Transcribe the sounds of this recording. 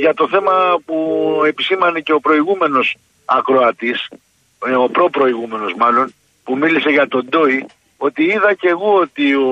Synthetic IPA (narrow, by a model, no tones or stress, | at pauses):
ʝɐt̪o̞θe̞mɐpue̞pisimɐnece̞o̞pɾo̞iɣume̞no̞s | ɐkɾo̞ɐt̪is | opɾo̞pɾo̞iɣume̞no̞zmɐlo̞n | pumilise̞ʝɐt̪o̞nd̪o̞i | o̞t̪iiðɐce̞ɣo̞ot̪io